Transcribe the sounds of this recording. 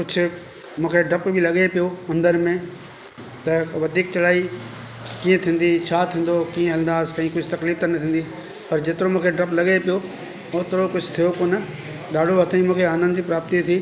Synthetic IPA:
kʊd͡ʑʱʰʊ | mũːkʰeɖɾɐpbʱɪlɐɠepijoɐ̃nd̪əɾmẽ | t̪ɐʋɐd̪ʱiːk̚t͡ɕɐlaːi | kiːə̃t̪ʰĩːn̆d̪it͡ɕʰaːt̪ʰĩːn̆d̪okiːə̃ɦɐl̃nd̪aːskɐ̃ĩkʊd͡ʑʱʊt̪ɐkliːft̪ɐnɐt̪ʰĩːn̆d̪i | pɐɾd͡ʑeːt̪ɪɾomũːkʰeɖɾɐplɐɠepijo | oːt̪ɪɾokʊd͡ʑʱʊt̪ʰijokoːnə | ɗaːɖʱoɐt̪ʰaĩmũːkʰeaːnənd͡ʑipɾaːp̚t̪it̪ʰiː

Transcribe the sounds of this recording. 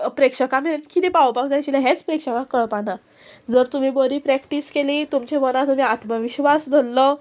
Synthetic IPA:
pɾekʂəkamenkinipawpakd͡zajt͡ɕilaɦet͡spɾekʂəkakəɭpana | d͡zəɾt̪um̤iːbəɾiːpɾɛkʈiskeliːt̪umt͡ɕemənat̪um̤iːat̪ʰməʋiɕʋasd̪ʱəlːə

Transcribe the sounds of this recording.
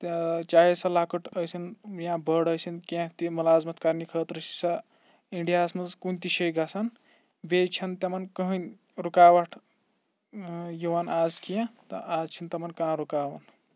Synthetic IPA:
t͡ʃaːɦisɐlaːkəʈʰəsinjãbəɽəsʰinkãt̪imulaːzmɐt̪kaɾnikʰəːt̪ɾɐsi̥sɐ | iɳɖijaːsmɐzkunt̪iʃəjɡasʰan | bet͡ʃʰɐnt̪ɐmɐnkəɦən | ɾukaːwɐʈʰ | jiwanaːzkijãt̪ɐ̰ʔaːzt͡ʃʰint̪ɐmɐnkãːɾukaːwɐn

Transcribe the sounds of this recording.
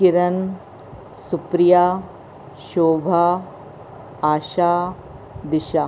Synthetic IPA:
kiɾɐn | supɾija | ʃoːbʱa | aːʃaː | d̪iʃa

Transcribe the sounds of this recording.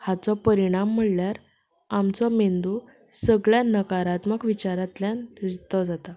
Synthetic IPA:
hat͡sɔpəɾiɽ̃amːəɭljaɾ | amt͡sɔmend̪u | səɡɭjanəkaɾat̪məkʋit͡ɕaɾat̪ljanɾit̪ɔd͡zat̪a

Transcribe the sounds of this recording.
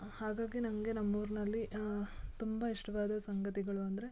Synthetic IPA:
haːɡaːɡinɐŋɡe̞nɐmːuːɾnɐlːi | t̪umbɐiʂʈɐʋaːd̪ɐsɐŋɡɐt̪iɡɐɭuɐnd̪ɐɾe̞

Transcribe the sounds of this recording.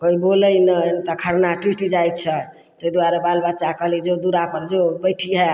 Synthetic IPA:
koibolənənt̪əkʰəɾnaʈwiʈid͡ʒajt͡ʃʰɛ | t̪əjd̪uaɾebalbət̪ːt͡ʃakəɦlid͡ʒod̪uɾapəɾd͡ʒobəjʈʰiɦɛ

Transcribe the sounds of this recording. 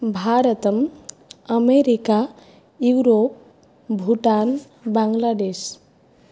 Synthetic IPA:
bʱaɾət̪əm | əmeɾika | juɾop̚ | bʱuʈan | baŋɡlaɖes

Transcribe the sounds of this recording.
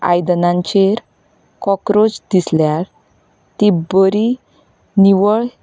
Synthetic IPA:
a̰jd̪ənãɲt͡ɕeɾ | kɔkɾod͡zd̪isljaɾ | t̪ibəɾi | niʋəɭ

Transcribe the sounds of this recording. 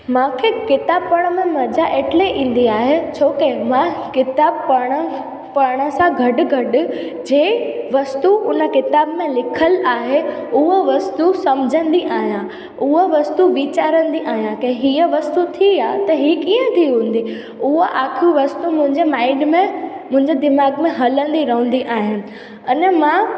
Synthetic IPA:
mãːkʰekɪt̪aːb̚pɐɽ̃əmẽmɐd͡ʑaʔeːʈɪleʔĩːn̆d̪iaːɦet͡ɕʰoːkemãkɪt̪aːbpaːɽ̃ə | paːɽ̃ə̆sãɡʱɐɖʊ̆ɡʱɐɖʊ | d͡ʑeːʋɐst̪uʊnə̆kɪt̪aːbmẽlɪkʰəlaːɦeʊɦoʋɐst̪usɐmd͡ʑʱə̃nd̪iʔaːɦijã | ʊɦoʋɐst̪uʋit͡ɕaːɾə̃nd̪iʔaːɦijãkɐ̃ɦɪ̃ɦiəʋɐst̪ut̪ʰiaːt̪ɐɦiːkiːə̃t̪ʰiɦũːn̆d̪i | ʊɦoʔaːkʰjũʋɐst̪umʊ̃ɦɪ̃ɲd͡ʑemaːɪɖmẽmʊ̃ɦɪ̃ɲd͡ʑed̪ɪmaːɡmẽɦɐlə̃nd̪iɾɐɦə̃nd̪iʔaːɦɪnɪ̆ | ɐnmã

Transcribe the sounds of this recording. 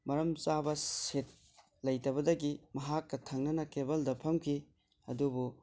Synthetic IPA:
mɐɾɐmt͡ʃabɐsit̚ | lɐjtɐbɐdɐɡimɐɦakːɐtʰɐŋnɐnɐkebɐldɐpʰɐmkʰi | ɐ̰dubu

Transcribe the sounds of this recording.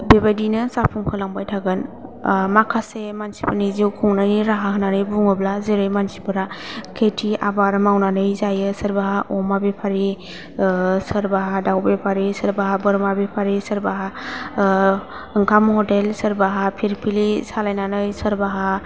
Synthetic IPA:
bebadinɯsapʰuŋkʰɯlaŋbajtʰaɡɯnmakʰasemansi̥pʰaniziwkʰuŋnajniɾaɦaɦɯnanɯjbuŋɯblazeɾɯjmansi̥pʰɯɾakʰetʰiabaɾmawnanɯjzajɯsəɾbaɦaʔɔmabepʰaɾi | səɾbaɦadawbepʰaɾisəɾbaɦabɯɾmabepʰaɾisəɾbaɦa | ɯŋkʰamhɔdelsəɾbaɦapʰiɾpʰilisalajnanɯjsəɾbaɦa

